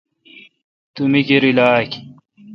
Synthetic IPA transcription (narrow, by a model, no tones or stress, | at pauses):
t̪umikiɾilaːk